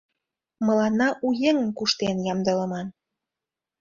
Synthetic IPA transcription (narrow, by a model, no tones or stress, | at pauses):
mɤ̆lɑnːɑʔujeŋə̆mkuʃt̪enjɑmd̪ə̆lə̆mɑn